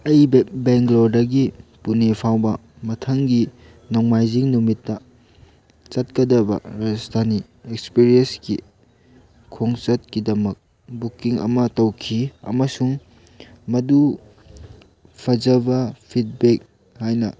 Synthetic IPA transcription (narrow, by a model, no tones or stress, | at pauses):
ɐjbeŋɡlodɐɡipunepʰawbɐ | mɐtʰɐŋɡi | nowŋmajziŋnumitːɐ | t͡ʃɐt̚kɐdɐbɐ̰ɾad͡ʒɐsdʰʱani | ekspiɾienskḭ | kʰːoŋt͡ʃɐt̚kidɐmɐk̚ | bukiŋɐ̰mɐtɐwkʰiɐ̰mɐsuŋ | mɐdu | pʰɐd͡ʒɐbɐpʰit̚bek̚ | hajnɐ̰